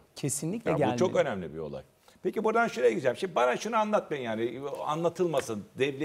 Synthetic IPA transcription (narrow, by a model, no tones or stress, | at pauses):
cʰesinlʲikclɛæulʲt͡ʃʰo̞kø̞næmlʲḭbḭolˠa̰j | pecibuɾd̪anʃuɾeɟyzælʲmʃimd̪ibanaʃunuanlˠat̪̚majɯnjaːnia̰nlˠat̪ʰɯlˠmasɯnd̪ɛvlʲe